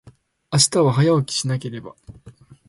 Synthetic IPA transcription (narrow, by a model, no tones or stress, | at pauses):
aɕi̥t̪aβaɦajaokʲi̥ɕinake̞ɾe̞ba̰